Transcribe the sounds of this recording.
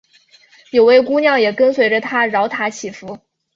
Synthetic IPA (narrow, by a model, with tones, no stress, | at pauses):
jo˨˩ʊwe˥˩ɪku˥njɑ˥˩ŋjɛ˨˩kə˥nswe˧˥ɪʈ͡ʂə˧t̪ʰa˥ɻɑ˧˥ʊt̪ʰa˧˥t͡ɕʰi˨˩fu˧˥